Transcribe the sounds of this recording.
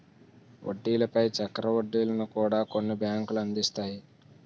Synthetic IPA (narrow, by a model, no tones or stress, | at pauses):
ʔo̰ɖːiːlɐpɐjt͡ʃɐkɾɐʋoɖːiːlɐnukuːɽaːko̞nːibjaːŋkulɐnd̪ist̪aːji